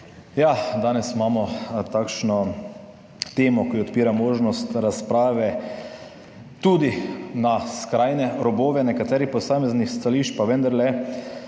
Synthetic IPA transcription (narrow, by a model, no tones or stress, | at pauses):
jad̪aːnɛsimaːmɔt̪aːkʃnɔ | t̪eːmɔkiɔt̪piːɾamoːʒnɔst̪ɾaspɾaːʋɛ | t̪uːd̪inaskɾajnɛɾɔboːʋɛnɛkat̪ɛːɾipɔsaːmɛznixst̪aliːʃt͡ʃpaʋə̃nd̪aɾlɛ